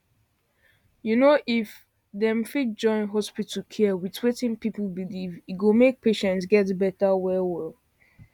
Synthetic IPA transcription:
junoʔif | ðɛ̃mfit̚d͡ʒɔ̃ɪ̃nɦɔspitʰəlkʰɛwitwetɪ̃ŋpipl̩biliviɡomek̚pʰeʃɛ̃ntsɡɛtbɛtəwɛwɛl

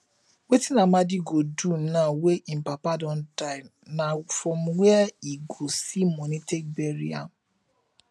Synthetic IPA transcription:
wetinamadiɡodunaweʔĩm̩papadɔ̃n̩taɪ | nafɾɔ̃mwɛɛiɡosimɔnitek̚beɾia̰

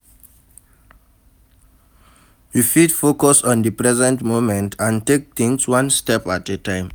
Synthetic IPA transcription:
jufidfokɔsɔ̃ndəpɹɛzɛ̃ntmomɛ̃ntʰãntek̚t̪ĩŋswãnstɛpat̚dətãɪ̃m

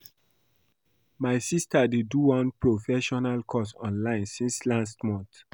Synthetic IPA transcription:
maɪsistadeduwɔ̃npɹofɛʃɔnalkʰɔsɔ̰̃nlãɪ̃nsĩnslãstmɔ̃nt

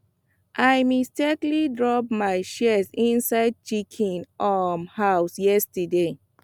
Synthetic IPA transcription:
ʔajmistɛklidɹɔp̚majʃɛsĩnsaɪd̚t͡ʃikʰĩnɔmhaʊsjɛstəde

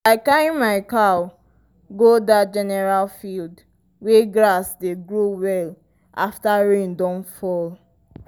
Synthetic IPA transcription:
laɪkaĩmaɪka | ɡodatd͡ʒɛnɛɹalfild | weɡɹasdeɡɹowɛl | ʔa̰ftaɹẽndɔ̃nfɔl

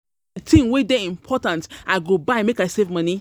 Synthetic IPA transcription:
tʰĩŋwedɛĩmpʰɔtãntaɪɡobaɪmekaɪsevmʌni

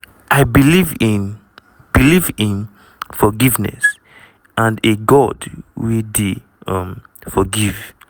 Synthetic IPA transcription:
ʔaɪbilivĩn | b̥ilivĩn | fɔɡivnɛ̰s | ʔãndeɡɔdwidi | ʌ̃m | fɔɡiv

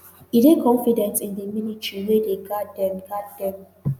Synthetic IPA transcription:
idekʰɔ̃nfidɛ̃ntĩndəminitʰɹiwedeɡadɛ̃nɡaddɛ̃m

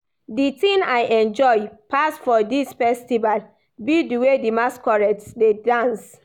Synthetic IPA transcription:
ditĩnaɪʔɛ̃nd͡ʒɔjpasfɔdisfɛstival | bidiwedimaskɔɹɛtsdedãns

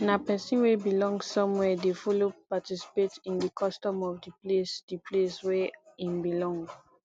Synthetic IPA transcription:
napɛsĩnwebilɔ̃ŋɡsɔ̃mwɛdefɔlopatisi̥petĩndikʰɔstɔ̃mɔfdiplesd̥ipʰleswɛĩmbilɔ̃ŋɡ

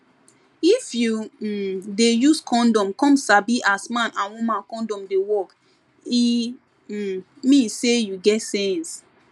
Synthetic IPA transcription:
ifju | dejuskʰɔ̃ndɔ̃mkɔ̃msabiʔasmãnãnwũmãnkɔ̃ndɔ̃mdewɔk | i | misejuɡɛtsɛ̃ns

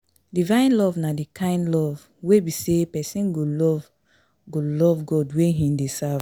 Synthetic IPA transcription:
divãɪ̃nlɔvnadikʰãɪ̃ndlɔv | webisepɛsĩnɡolɔv | ɡolɔvɡɔdweɦĩdesav

